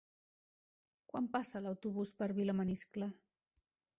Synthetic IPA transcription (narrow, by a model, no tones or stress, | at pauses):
kwampasələwt̪uβuspəɾβiləmənisklə